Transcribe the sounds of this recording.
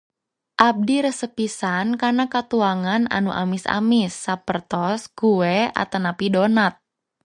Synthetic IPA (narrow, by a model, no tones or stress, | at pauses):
ʔab̚diɾəsəpisankarnakat̪uaŋana̰nuʔa̰mɪsa̰mɪsːapərt̪ɔsɡ̥uwɛa̰t̪anapidonat̪̚